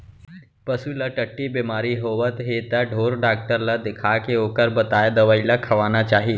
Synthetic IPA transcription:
pəsulaʈəʈːibimaːɾiɦoʋət̪ɦet̪aɖʱoːɾɖaːk̚ʈəɾlad̪ɪkʰakeoːkəɾbət̪aːjd̪ɐʋəilakʰɐʋaːnat͡ʃaːɦi

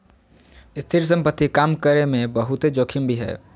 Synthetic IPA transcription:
ɪst̪ʰɪɾs̬ə̃mpət̪ːikaːmkəɾemẽbɐɦʊt̪ed͡ʒoːkʰimbʱiɦɛ̰ː

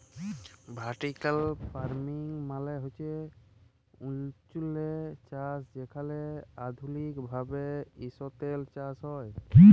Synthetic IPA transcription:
bʱaʈikalpʰaɾmiŋmalɛɦojt͡ʃʰɛ | unt͡ʃulet͡ʃasd͡ʒɛkʰalɛad̪ʱulikbʱabeisɔt̪elt͡ʃasɦɔj

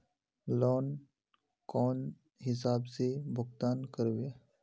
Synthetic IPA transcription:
lɔːn | kɔːn | ɦɪs̬aːbsebʱʊkt̪aːnkəɾʋe

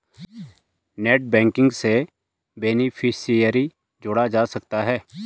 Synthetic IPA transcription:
neːʈ̚bɛ̃ːŋkɪ̃ŋɡse | beːnipʰɪsijəɾi | d͡ʒʊɽad͡ʒaːsɐkt̪aɦɛː

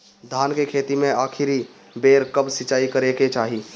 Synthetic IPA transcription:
d̪ʱaːnkekʰet̪imẽaːkʰiɾi | beːɾkəbsɪt͡ʃaːikəɾeket͡ʃaːɦi

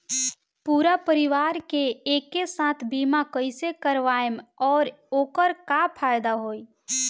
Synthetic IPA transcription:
puːɾapəɾɪʋaːɾkeeːkːesãːt̪ʰbiːmakəɪsekəɾʋaːjəmɔːɾ | oːkəɾkapʰaːjd̪aɦoːi

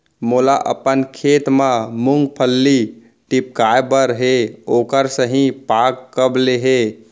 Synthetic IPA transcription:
mulaʔə̰pənkʰet̪mẽmuŋɡpʰəlːi | ʈip̚kajbəɾɦeokəɾsəɦĩpakːəbleɦe

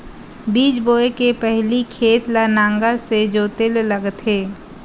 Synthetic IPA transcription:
biːt͡ʃboːekepɛɦlikʰeːt̪lanãːŋɡased͡ʒoːt̪elləɡt̪ɦeː

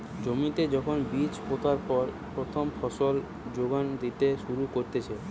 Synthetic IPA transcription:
d͡ʑomit̪ed͡ʑɔkʰonbit͡ɕɦot̪aɾpɔɾ | pɾot̪ʰomfʰɔʃol | d͡ʑoɡand̪it̪eʃuɾukoɾt̪et͡ɕʰe

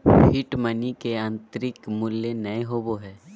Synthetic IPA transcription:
hɪʈmɐnikeɐ̃nt̪ɾɪkmʊljenɐeɦoːboɦɛː

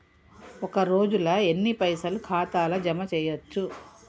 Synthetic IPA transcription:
ɔkɐɾo̞ːd͡ʒulɐe̞nːipɐjsɐlukʰaːt̪aːlɐd͡ʒɐmɐt͡ʃɛːjɐt͡ʃːu

